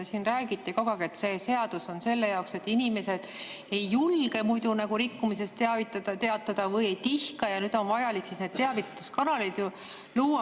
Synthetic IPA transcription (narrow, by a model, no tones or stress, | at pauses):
siːnræːɡit̪ːˑikoɡ̥ɑɡ̥iet̪se̞ːse̞ɑd̪̥uso̞nse̞lːe̞jɑokse̞t̪ːˑinʲime̞se̞d̪̥ | e̞jːulɡ̥e̞mujd̪̥unɑɡ̥uɾikːumis̬e̞st̪ːeɑvit̪ːˑɑd̪ɑt̪eɑt̪ːˑɑd̪̥ɑvɤjejt̪ihkɑjɑnyːd̪̥o̞nvɑjɑliksisned̪̥̚t̪eɑvit̪ːu̥skɑnɑlid̪̥ju | luːɑ